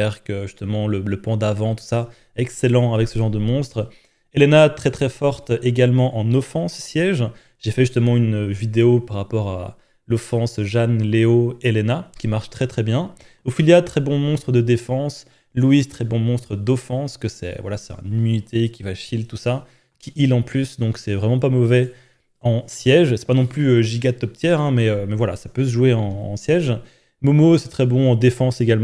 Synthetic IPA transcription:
ɛʁkəʒyst̪əmɑ̃lələpɑ̃d̪avɑ̃t̪u̥sa | ɛkselɑ̃avɛksəʒɑ̃ʁd̪əmɔ̃st̪χ | elenat̪χɛt̪χɛfɔʁt̪eɡʲalmɑ̃ʔɑ̃nɔfɑ̃sːjɛʒ | ʒefɛʒyst̪əmɑ̃ynvid̪eopaʁːapɔʁa̰ | lɔfɑ̃sʒanleoelenakʲimaʁʃt̪χɛt̪χɛbjɛ̃ | ofiljat̪χɛbɔ̃mɔ̃st̪χəd̪əd̪efɑ̃s | luizt̪χɛbɔ̃mɔ̃st̪χəd̪ɔfɑ̃skəsɛ̰vwa̰lasɛ̥t̪ɛ̰̃nynit̪ʰekʲivaʃilt̪usa | kʲiʔilɑ̃plysd̪ɔ̃ksɛvʁɛmɑ̃pamɔvɛ | ɑ̃sjɛʒsɛ̥panɔ̃plyøʒiɡat̪ɔp̚t̪jɛʁɛ̃mɛømɛvwala̰sapøsəʒuweɑ̃ɑ̰̃sjɛʒ | momosɛt̪χɛbɔ̃ɑ̃d̪efɑ̃seɡalm̃

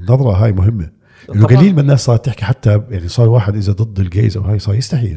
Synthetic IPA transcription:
nːɑðˤɾˤɑɦaːjmʊɦɪmːa | ʔʔɪnːʊɡaliːlmanːaːssˤɑːɾˤt̪ɪħkiħat̪ːajaʕnisˤɑːɾˤwaːħɪd̪ʔɪzðad̪ˤɨd̪ˤːɪlɡḛːzʔawhaːjsˤɑːɾjɪst̪aħḭːl

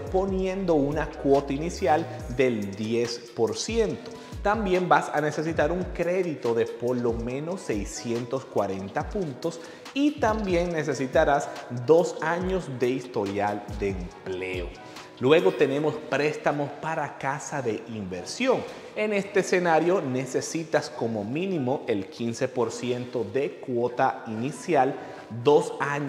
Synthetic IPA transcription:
po̞njẽ̞nd̪o̞unakwo̞t̪ainisjald̪e̞ld̪je̞spo̞ɾsje̞nt̪o̞ | t̪ambje̞mbasa̰nese̞s̬it̪aɾuŋkɾe̞ðit̪o̞ðe̞po̞lo̞mẽ̞no̞sːe̞jsje̞nt̪o̞skwaɾe̞nt̪apũnt̪o̞s | it̪ambje̞ŋne̞s̬e̞sit̪aɾasd̪o̞saɲo̞sðe̞ist̪o̞ɾjald̪eːmpleo | lwe̞ɣo̞t̪e̞ne̞mo̞spɾe̞st̪amo̞spaɾakasaðe̞ʔimbe̞ɾsjo̞ŋ | e̞ne̞st̪eːse̞naɾjo̞ne̞se̞sit̪asko̞mo̞mĩnimo̞ʔe̞lkʰinse̞po̞ɾsje̞nt̪o̞ðe̞kwo̞t̪ainisjal | d̪o̞saɲ

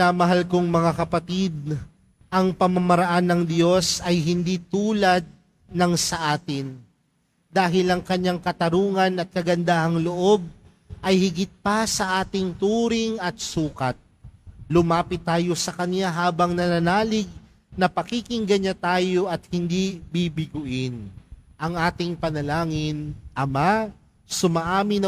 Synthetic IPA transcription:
amɐɦalkoŋmɐŋakɐpɐt̪id̪̚ | ʔɐŋpɐmɐmɐɾɐʔanːɐŋd̪jo̞sɐjɦɪnd̪it̪uːlɐd̪̚ | nɐŋsɐʔaːt̪ɪn | d̪aːɦɪlɐŋkɐɲːaŋkɐt̪ɐɾuːŋɐnɐt̪̚kɐɡɐnd̪aːhɐŋloʔo̞b̚ | ʔɐjhɪɡɪt̪̚pɐsɐʔaːt̪ɪŋt̪uːɾɪŋɐt̪̚suːkɐt̪̚lʊmaːpɪt̪ːaːjo̞sɐkɐnjaɦaːbɐŋnɐnanaːlɪɡ̚ | nɐpɐkikɪŋɡɐɲat̪aːjo̞ʔɐt̪̚hɪnd̪ibibɪɡʊʔɪnʔɐŋʔaːt̪ɪŋpɐnɐlaːŋɪnʔɐma | sʊmaʔaːmɪnɐ

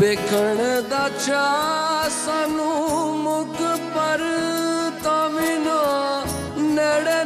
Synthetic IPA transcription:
beːkʰəɳ̃d̪aːt͡ʃʰa | sãːnũːmʊkpəɾ | t̪aːʋino | nəɽe

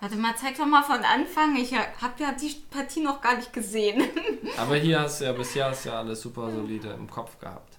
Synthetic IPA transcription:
vaɐtəmaːt͡saɪk̚dɔχmaːfɔnʔa̰nfaŋɪçahaːbjaːdiːpʰaɐtʰiːnɔχɡ̥aːɐnɪçt̚ɡ̥əzeːənʔaːbɐhiːɐhastd̥uːjaːbɪsheːɐhastuja̰ːʔaləsz̥uːpɐzoliːdəɪ̰mkʰɔpfɡ̥ə̰ha̰ːpt

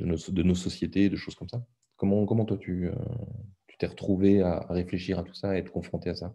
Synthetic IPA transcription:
d̪ənosd̪ənosɔsjet̪ed̪əʃoz̥kɔmsa | kɔmɑ̃kɔmɑ̃t̪wat̪ʰyø̰t̪y̥t̪ɛʁət̪χuveaa̰ʁefleʃiʁat̪u̥saɛt̪χəkɔ̃fχɔ̃t̪easa

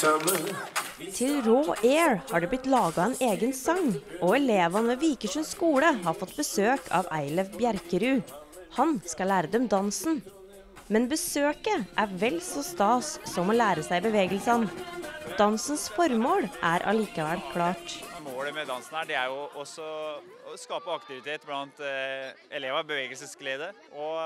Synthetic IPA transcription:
t̪ʰɪlɾoːʔeːɹhɑːɖʉːblɪt̪lɑːɡɑɛːnʔeːɡənsɑŋʔoːɛleːʋɑnəʋiːkəʂʉnskuːləɦɑːfɔt̪ːbəsøːkʰɑ̰ːʋæɪlɛʋbjæɾkəɾʉːhɑnskɑlæːɾəd̪ɛmd̪ɑnsn̩ | mɛnbəsøːkəʔæɾʋɛlsɔst̪ɑːsːɔmɔːlæːɾəsæɪbəʋeːɡəlsɑnd̪̥ɑnsn̩sfɔɾmoːlʔæːɾʔɑ̰liːkɑʋæɽkʰlɑːʈmoːləmɛd̪ɑnsn̩æɖɛæɾjʊʔɔsɔ | skɑːpəɑkt̪ɪʋɪt̪ʰeːt̪blɑnt̪ | ɛleːʋɑbəʋeːɡəlsəsɡleːd̪ə | ʔɔ

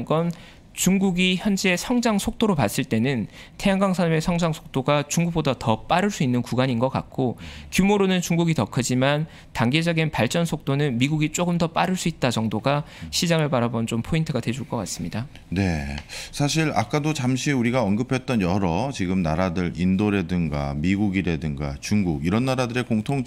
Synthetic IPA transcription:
ɡʌn | t͡ɕuŋɡuɡiçjʌnd͡ʑe̞sʰʌŋd͡ʑaŋsʰok̚t͈oɾopas͈ɯɭt͈e̞nɯn | tʰe̞aŋɡaŋsʰaɾme̞sʰʌŋd͡ʑaŋsʰo̥k̚t͈oɡat͡ɕuŋɡuk̚p͈odatʌp͈aɾɯɭs͈uinːɯnkuɡaɲinɡʌk͈a̰k̚k͈okjumoɾonɯnt͡ɕuŋɡuɡitʌkʰɯd͡ʑiman | taŋɡe̞d͡ʑʌɡinpaɭt͡ɕ͈ʌnsʰok̚t͈onɯnmiɡuɡit͡ɕ͈oɡɯmdʌp͈aɾɯɭs͈uit̚t͈at͡ɕʌŋdoɡaɕʰid͡ʑaŋɯɭpaɾabʌnt͡ɕompʰointʰɯɡadwe̞d͡ʑuɭk͈ʌk͈as͈ɯmɲida | ne̞sʰaɕ̬ʰiɾa̰k͈adot͡ɕamɕʰiuɾiɡaʌnɡɯpʰe̞t̚t͈ʌnjʌɾʌt͡ɕiɡɯmnaɾadɯɾindoɾe̞dɯŋɡa̰miɡuɡiɾe̞dɯŋɡa̰t͡ɕuŋɡuɡiɾʌnːaɾadɯɾe̞koŋtʰoŋ

